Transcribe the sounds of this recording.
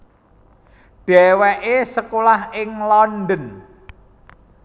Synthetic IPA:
ɖ̪̥ɛ̤wɛʔesəkolahɪŋlɔnd̪ən

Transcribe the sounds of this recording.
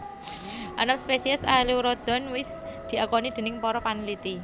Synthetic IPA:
ʔanamspesiɛsaliwɾɔd̪̥ɔ̤nwɪsd̪̥i̤ʔakɔnid̪̥e̤nɪŋpɔɾɔpanilit̪i

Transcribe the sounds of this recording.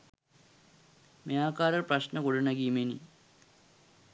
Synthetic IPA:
mejaːkːaːɾɐɭprɐɕnɐkoɽunɐɡimenḭ

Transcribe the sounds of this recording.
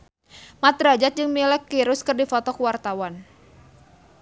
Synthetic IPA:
mat̪ɾad͡ʒat̪̚d͡ʒɨŋmilɛkːiɾʊskɨrdifɔt̪ɔkuwart̪awan

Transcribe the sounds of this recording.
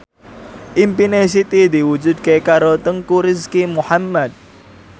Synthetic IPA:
ʔimpinesit̪id̪iwud͡ʒud̪̚kekaɾot̪əŋkuɾɪskimuħamːad̪̚

